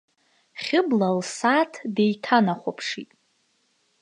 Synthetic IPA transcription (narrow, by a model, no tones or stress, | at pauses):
χʲɪblalsatʰde̞jtʰanaχʷopʰʂitʼ